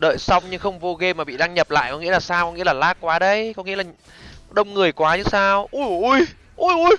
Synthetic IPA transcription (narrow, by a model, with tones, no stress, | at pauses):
ɗə̰ː˧˨jsa˧wŋ͡mɲɨ˧xə˧wŋ͡mvo˧ɣe˧maː˨˩ɓḭ˧˨ɗaː˧ŋɲə˨˩p̚la̰ː˧˨jkɔ˨˦ŋḭ˧˥əaː˨˩saː˧wkɔ˨˦ŋḭ˧˥əlaː˨˩laː˦˥k̚kːwaː˨˦ɗə˧jkɔ˨˦ŋi˧˥əlaː˨˩˦ | ɗə˧wŋ͡mŋɨ˨˩əjkwaː˨˦ɲɨ˨˦saː˧wʔu˧˩jʔu˧˩j | ʔu˧˩jʔu˧j